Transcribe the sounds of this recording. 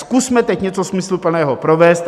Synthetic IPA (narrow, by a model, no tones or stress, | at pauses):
skusmɛt̪ɛcɲɛt͡sosmɪslupl̩nɛːɦopɾovɛːst̪